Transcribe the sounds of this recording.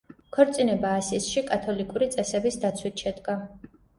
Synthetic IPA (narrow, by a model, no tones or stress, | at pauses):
kʰɔɾt̪sʼinɛbaːsisʃikʼat̪ʰɔlikʼuɾit̪sʼɛsɛbisd̪at̪sʰwit̪ʰʃɛd̪ɡa